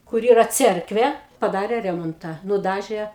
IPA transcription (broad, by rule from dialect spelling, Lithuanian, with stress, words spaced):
kʊr ˈiːrɐ ˈt͡sʲɛrkʋʲeː pɐˈdɑːrʲeː ˈrʲæːmoːntɑː nʊˈdɑːʒʲeː